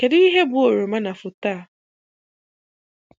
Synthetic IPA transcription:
ke˨di˦i˦ɦe˦bʊ˦o˨ɾo˨ma˦na˨fʊ˨ta˦˨

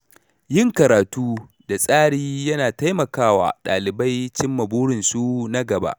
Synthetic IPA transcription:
jɪ˦˨ŋkɐ˨ɾaː˨tuː˦ | da˨sʼaː˦ɽiː˦jɐ˦naː˨ta˦jmɐ˨kaː˦wa̰ː˨ɗa̰ː˨lɪ˨ba˦jt͡ʃɪ˦mːɐ˨buː˦ɽɪ˨nsu˦na˦ɡɐ˨ba̰˦ʔ

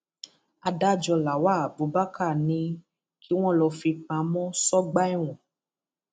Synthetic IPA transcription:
a˧da˦˨d͡ʒɔ˧la˨wa˦˨bo˨˧ba˦ka˦˨nĩ˧ | ki˦w̃ɔ̃˦lɔ˧fi˧k͡pã˨˦mɔ̃˦sɔ˦ɡ͡ba˦i˦˨w̃ɔ̃˨

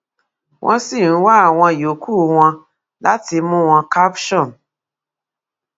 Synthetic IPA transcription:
wʔɔ̰̃˦si˦˨n̩˨˦wa˦˨w̃ɔ̃˧jo˨kʰu˦˨w̃ɔ̃˧ | la˦ti˧mũ˦wɔ̃˧ka˦pʃɔ̃˦˨n

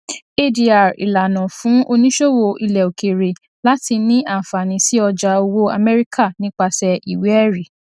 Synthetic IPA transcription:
e˦di˨a˨ɾḭ˨la˨nã˨fũ˨˦o˧nĩ˦ʃo˦wo˧ʔi˧lɛ˨o˨ke˨ɾe˨ | la˦ti˧nĩ˦ʔa˦˨fa˨nĩ˨˦si˦ɔ˧d͡ʒa˧o˧wo˦a̰˧mɛ˦ɾi˦kʰa˦˨nĩ˦k͡pa˧sɛ˧i˨we˨˦ɛ˦˨ɾi˨

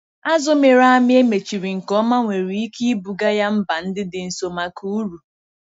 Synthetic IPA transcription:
a˦zʊ˦me˨ɾa˦a˦mɪ˦e˦me˨t͡ʃi˨ɾi˨ŋ̩˨kɔ˦ma˦ŋʷe˨ɾi˨i˦ki˦i˦bu˨ɡa˦ja˦m̩˦ba˨n̩˦dɪ˦dɪ˨n̩˨so˨ma˨ku˦u˦ɾu˨

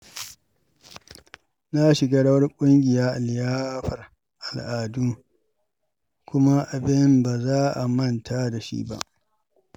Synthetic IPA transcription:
na˦ʃɪ˨ɡaː˦ɽɐ˦wɐ˦rkʷʼʊ˦ŋɡʲɪ˨jaː˦ʔa˨ljaː˦ɸɐ˨r | ʔa˨lʔaː˨du˦ŋ | kʷʊ˦ma˦ʔa˨bɪ˦mbaː˨zaː˦ʔa˨mɐ˦ntʰa˦da˨ʃḭ˦ba̰˦ʔ

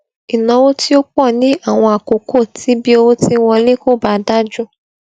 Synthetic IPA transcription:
i˨nã˨˧wo˦ti˦o˦k͡pɔ˦˨nĩ˨˦a˦˨w̃ɔ̃˧a˨ko˨kʰo˦˨tʰi˨˦bi˦o˧wo˦ti˦wɔ̃˧le˦ko˦˨ba˦da˦d͡ʒũ˦˨

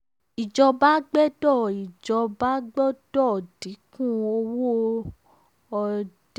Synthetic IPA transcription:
i˨d͡ʒɔ˧ba˦ɡ͡bɛ˦dɔ˦˨i˨d͡ʒɔ˧ba˦ɡ͡bɔ˦d̥ɔ˦˨di˨˦kũ˦˨o˧wo˦ | ɔ˧˨d

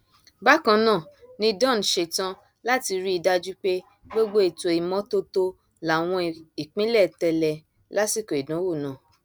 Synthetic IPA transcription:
ba˦kã˧nãː˦˨nĩ˧dɔ̃˦˨n˨ʃe˧˨tã˧ | la˦ti˧ɾi˦i˧da˧d͡ʒu˦k͡pe˦ | ɡ͡bo˦ɡ͡bo˦e˦˨to˨i˨mɔ̃˦to˦to˧ | la˨w̃ɔ̃˧i˨k͡pĩ˦lɛ˦˨tɛ˧lɛ˧ | la˦si˦˨ko˨i˨dã˨˦wo˦˨nã˨

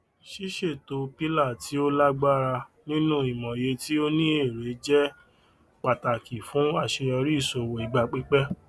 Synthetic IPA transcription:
ʃi˦ʃe˦˨to˧pi˦la˦˨ti˦o˦la˦ɡ͡ba˦ɾa˧nĩ˦nũ˦i˨mɔ̃˨je˧˦ti˦o˦nĩ˦e˦˨ɾe˨˦d͡ʒɛ˦ | k͡pa˨ta˨ki˨fũ˨˦a˦˨ʃe˧ɔ˧ɾi˦˨so˨wo˨i˨ɡ͡ba˧k͡pi˦k͡pɛ˦

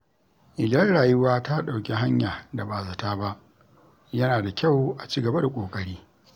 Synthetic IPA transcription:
ʔɪ˨lɐ˦rɽaː˨jʊ˦waː˦ta˦ɗa˨wkʲi˦ɦa˦ɲjaː˨da˨ba˨za˨taː˦ba˦ʔ | jɐ˦naː˨da˨kʲʰa˦˨wʔa˨t͡ʃiː˦ɡɐ˨ba˦da˨kʷʼoː˨kʼɐ˦ɽiː˦

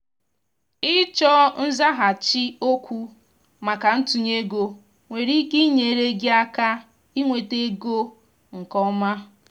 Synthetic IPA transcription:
ɪ˦t͡ʃɔ˦n̩˦za˦ɦa˨t͡ʃi˦o˦kʷu˦ | ma˨ka˨n̩˦tu˨ɲe˦ɡo˦ | ŋʷe˨ɾi˦ki˦ɲe˨˦ɾe˦ɡɪ˦a˦ka˦ | i˦ŋʷe˨te˦ɡo˦ | ŋ̩˨kɔ˦ma˦

